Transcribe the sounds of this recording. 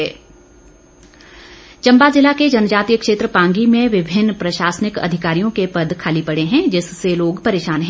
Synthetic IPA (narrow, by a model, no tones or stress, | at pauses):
t͡ʃɐ̃mbazɪlːaked͡ʒɐnd͡ʒaːt̪ijəkʃeːt̪ɾəpãːŋɡimẽʋɪbʱɪnːpɾɐʃaːsənɪkɐ̰d̪ʱɪkaːɾijõkepɐd̪ʱkʰaːlipɐɽeɦɛ̃d͡ʒɪsːeloːɡpɐɾeːʃaːnɦɛ̃